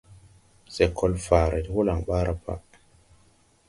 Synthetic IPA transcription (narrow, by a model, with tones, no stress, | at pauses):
se˨kʰo˦lfaː˨ɾe˨ti˦wo˦la˨ŋɓa˦ɾa˦pa̰˦ʔ